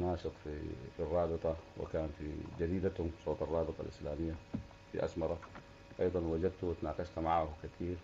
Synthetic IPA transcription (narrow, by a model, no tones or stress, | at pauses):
naːʃɨt̪ˤfḭfirˤːɑːbɨt̪ˤɑwɪ̰kaːnfḭd͡ʒad̪iːd̪at̪hʊmsˤoːt̪ˤɑrˤːɑːbɨt̪ˤɑ̰lʔɪ̰slaːmɪjːa | fḭʔa̰smɑɾˤɑ | ʔɑjd̪ˤɑnwad͡ʒad̪̚t̪uwɪt̪naːqɑʃt̪maʕaːhukat̪ʰiːɾ